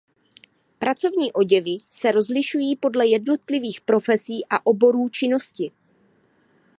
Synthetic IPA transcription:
pɾat͡so̞vɲiːʔo̞ɟɛvɪsɛɾo̞zlɪʃujiːpo̞dlɛjɛdno̞t̪lɪviːxpɾo̞fɛsiːʔaʔo̞bo̞ɾuːt͡ʃɪno̞scɪ

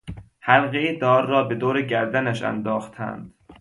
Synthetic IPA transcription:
hælɣejed̪ɒːɾːɒːbe̞d̪oːɾeɟæɾd̪ænæʃæ̰nd̪ɒːxt̪ʰæ̰nd̪̥

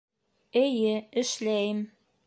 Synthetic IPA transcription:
ɘ̆jɘɘ̆ʃlæjɘ̆m

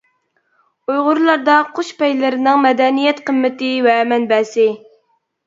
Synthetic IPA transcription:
ujʁʊɾlˠɑɾd̪ɑqʰoʃpɛjlɪɾɪnɪŋmɛd̪ɛnijɛt̪qəmːɪt̪ɪwɛmɛnbɛsɪ

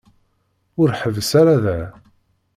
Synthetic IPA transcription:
ʊɾħəvəsaɾaðæ

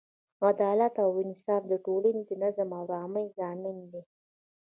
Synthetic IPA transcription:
ad̪ɑlat̪awɪnɪsɑfd̪əʈolaned̪ənazamaɾɑməjzɑmɪnd̪i

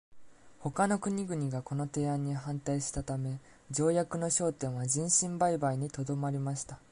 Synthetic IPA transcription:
ho̞kano̞kɯ̟ɲ̟iɡɯ̟ɲ̟iɡako̞no̞t̪e̞ːãɲ̟ːiɦãnt̪aiɕi̥t̪at̪ame̞ | d͡ʑo̞ːjakɯ̟no̞ɕo̞ːt̪ẽ̞ɰ̃βad͡ʑĩɰ̃ɕĩmbaibaiɲ̟it̪o̞d̪o̞maɾʲimaɕi̥t̪a

